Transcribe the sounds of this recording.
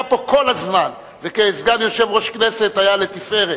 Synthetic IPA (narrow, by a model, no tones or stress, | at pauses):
po̞ko̞lazman | vekeːzɡamjo̞ʃevʁo̞ʃkneset̪ajale̞t̪ife̞ʁe